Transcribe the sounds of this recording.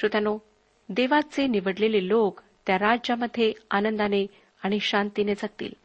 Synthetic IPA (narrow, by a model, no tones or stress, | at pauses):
ut̪jano | d̪eʋat͡seniʋəɽlelelok | t̪jaɾad͡ʑjaməd̪ʱːeanənd̪ane | aɽ̃iɕant̪ined͡zəɡ̚t̪ḭːl